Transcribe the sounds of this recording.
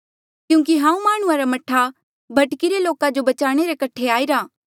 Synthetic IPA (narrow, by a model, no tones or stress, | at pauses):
kjũːk̬iɦãːũmaːɽ̃ʊãɾamɐʈʰa | bʱɐʈkiɾeloːkãd͡ʒobɐt͡ʃaːɽ̃eɾekɐʈʰeaːiɾaː